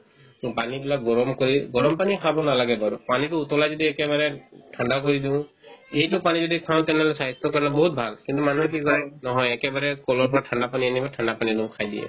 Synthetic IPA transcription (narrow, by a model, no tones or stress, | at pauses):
panibilak̚ɡɔɹɔmkoɹiɡɔɹɔmpanikʰabɔnalaɡɛbaɹupanitʊːtɔlajzodiɛkɛβaɹɛtʰandakoɹidiʊ̃ | ejtʊpanizodikʰaʊ̃tɛnɛɔlɛsaɦitːɔkɔɹnɛbɔɦut̚bʱalkintumanukikɔjnɔɦɔjɛkɛbaɹɛkɔlɔɹpɔɹatʰandapanianibatʰandapanidũʊ̃kʰajdḭjɛ̰